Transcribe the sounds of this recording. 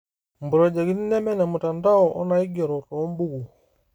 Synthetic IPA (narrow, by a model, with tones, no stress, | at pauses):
mbu˨ɾɔ˨d͡ʒa˨ɡi˦ni˦nɛ˦mɛ˦na˨mu˨ta˨nda˦ɔ˨ʔɔ̰˦na˨i˦ɡɛ˨ɾɔ˨tɔ˨˦mbu˦ɡu˨